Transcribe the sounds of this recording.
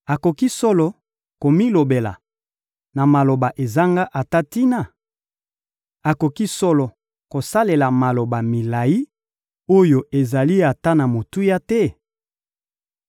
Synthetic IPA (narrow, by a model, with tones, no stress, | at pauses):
a˨ko˨ki˦sɔ˦lɔ˨ | ko˨mi˦lo˨be˨la̰˨ | na˨ma˨lo˨ba˨ʔe˨za˦ŋɡa˦ʔa˨ta˦ti˦na˨ | a˨ko˨ki˦sɔ˦lɔ˨ | ko˨sa˦le˨la˨ma˨lo˨ba˨mi˨la˨ji˦ | o˦jo˦ʔe˨za˨li˦a˨ta˦na˨mo˨tu˦ja˦tɛ˦